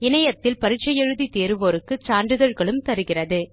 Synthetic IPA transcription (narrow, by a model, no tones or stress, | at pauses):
ɪnɐjɐt̪ːɪlpɐɾɪʈt͡ʃːɐjɛɻɯðit̪eːɾɯʋoːɾɯkːɯt͡ʃaːɳɖɯðɐɻɣɐɭɯmt̪ɐɾɯɣɪrɐðɯ